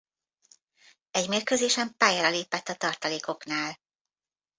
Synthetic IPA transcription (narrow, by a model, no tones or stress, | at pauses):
ɛɟmeːrkøzeːʃɛmpaːjaɾɒleːpɛt̪ːɒt̪ɒrt̪ɒleːko̞knaːl